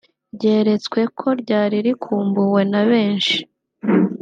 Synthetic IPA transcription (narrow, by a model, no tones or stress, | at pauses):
ɾɟe̞ːɾe̞t͡swe̞kʰo̞ɾɟaːɾiɾikʰuːmbuwe̞naβe̞ːnʃi̥